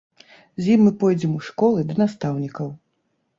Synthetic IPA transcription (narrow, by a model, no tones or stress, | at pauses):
zʲjimːɨpɔjd͡zʲɛmuʂkɔlˠɨd̪ɐnast̪awnʲikɐw